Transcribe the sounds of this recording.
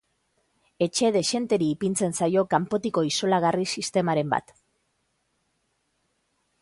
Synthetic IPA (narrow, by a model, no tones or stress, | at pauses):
e̞t͡ʃe̞ðe̞ʃe̞nt̪e̞ɾiːpint͡se̞nsajo̞kampo̞t̪iko̞iso̞laɣ̞arisist̪e̞maɾe̞mba̰t̪